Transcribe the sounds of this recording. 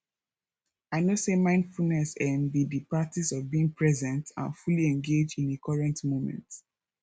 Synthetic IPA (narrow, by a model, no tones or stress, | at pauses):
aɪnosemãɪ̃nd̥fulnɛsɛmbidipɹatisɔvbiĩŋpʰɹɛzɛ̃ntã̰nfuliɛ̃nɡed͡ʒdĩnekʰɔɹɛ̃ntmomɛ̰̃nt